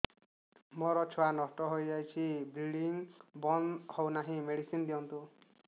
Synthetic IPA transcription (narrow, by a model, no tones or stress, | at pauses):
mɔɾɔt͡ʃʰɔwanɔsʈɔɦojd͡ʒajt͡ʃʰibɾiɖiŋbɔnhownaɦĩmeɽisind̪iɔnt̪u